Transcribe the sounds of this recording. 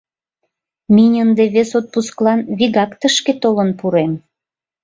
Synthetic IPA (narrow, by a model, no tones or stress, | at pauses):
minʲənd̪eβesot̪̚pusklɑnβiɣɑkt̪əʃket̪olənpuɾem